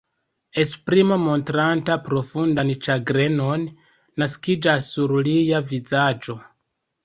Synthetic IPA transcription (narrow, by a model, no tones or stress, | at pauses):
e̞spɾimamo̞ntɾantapɾo̞fundant͡ʃaɡɾe̞no̞nː | askid͡ʒasːuɾlijavizad͡ʒo̞